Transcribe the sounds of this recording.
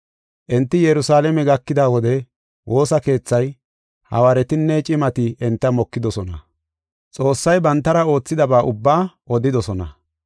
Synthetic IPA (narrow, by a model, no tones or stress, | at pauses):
ʔɛnt̪ːɪjɛɾʊsaːlɛmɛɡɐkːɪd̪aːwɔd̪ɛ | wʔo̞ːsɐke̞ːt͡sːɐj | hɐ̰wɐɾɛt̪ɪnːɛt͡ʃʼɪmɐt̪ɪɛnt̪ːɐmɔkːɪd̪ɔsɔnɐ̰ | t͡sʼo̞ːsːɐjbɐnt̪ːɐɾɐo̞ːt͡sːɪd̪ɐbaːʔʊbːaːʔɔd̪ɪd̪ɔsɔnɐ